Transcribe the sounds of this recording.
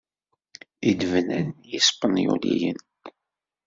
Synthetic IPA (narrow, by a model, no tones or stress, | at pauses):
id̪vənænjispənjṵlijən